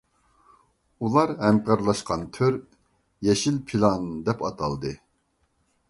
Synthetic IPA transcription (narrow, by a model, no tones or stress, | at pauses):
ulˠɑɾhɛmkʲɑɾlˠɑʃqɑnt̪ʰøɾ | jɛʃilpʰilˠɑnd̪ɛpɑt̪ʰɑlˠd̪ɨ